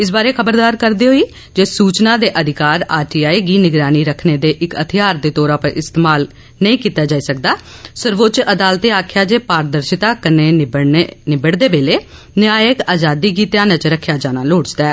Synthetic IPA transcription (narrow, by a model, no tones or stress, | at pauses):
ɪs̬baːɾeːkʰəbəɾd̪aːɾkəɾd̪eːɦoːiː | d͡ʒeːsuːt͡ʃnãːd̪eːʔəd̪ʱɪkaːɾaːʈiːaːiːɡiːnɪɡɾaːniːɾəkʰneːd̪eːʔɪkət̪ʰɪjaːɾd̪eːt̪oːɾaːpəɾʔɪst̪eːmaːl | nəĩːkiːt̪aːd͡ʒaːiːsək̚d̪aːsəɾʋoːt͡ʃəd̪aːlt̪eːaːkʰɪjaːd͡ʒeːpaːɾd̪əɾʃɪt̪aːkəneː | nɪbəɽd̪eːbeːleː | nɪaːjəkaːzaːd̪iːɡiːt̪eaːnat͡ʃɾəkʰːjaːd͡ʒaːnaːloːɽd͡ʒd̪aɛː